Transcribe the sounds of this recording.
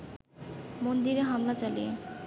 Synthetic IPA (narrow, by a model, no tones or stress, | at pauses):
mond̪iɾeɦamlat͡ɕalḭje